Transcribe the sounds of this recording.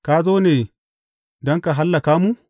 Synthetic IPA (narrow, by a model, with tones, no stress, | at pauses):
ka˦zoː˦neː˨ | dɔ˦ŋka˨ɦa˦lːa˨kaː˦mu˦